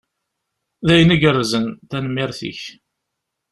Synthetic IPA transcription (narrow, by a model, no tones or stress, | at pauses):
ðæjnəɡərːzənt̪ænəmːɪɾθḭç